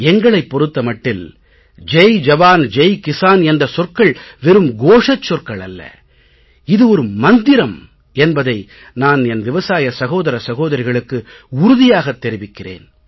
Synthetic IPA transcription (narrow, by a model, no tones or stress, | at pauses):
ɛŋɡɐɭɐɪpːɔɾɯt̪ːɐmɐʈːɪl | d͡ʒɛjd͡ʒɐʋaːnd͡ʒɛjkɪsaːnɛndrɐsɔrkɐɭʋɛɾɯmɡoːʂɐt͡ʃːɔrkɐɭɐ̰lːɐ̰ | ɪðɯɔɾɯmɐnd̪ɪɾɐm | ɛnbɐðɐɪ | naːnɛnʋɪʋɐsaːjɐsɐɣoːðɐɾɐsɐɣoːðɐɾɪɣɐɭɯkːɯ | ʊɾʊðɪjaːɣɐt̪ːɛɾɪʋɪkːɪrḛːn